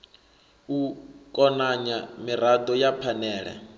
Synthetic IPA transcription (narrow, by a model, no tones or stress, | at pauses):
ukʼɔnaɲamiɾadɔjapʰanɛːɺɛ̰